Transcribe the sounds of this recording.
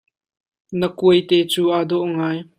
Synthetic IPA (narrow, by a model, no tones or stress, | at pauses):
nəkuəjt̪ɛt͡suːʔaːdɔʔŋaːj